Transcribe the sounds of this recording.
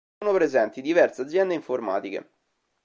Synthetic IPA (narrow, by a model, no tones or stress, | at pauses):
nopɾezɛnt̪id̪ivɛrsead̪zːjɛnd̪eiɱforma̰ːt̪ik̟ḛ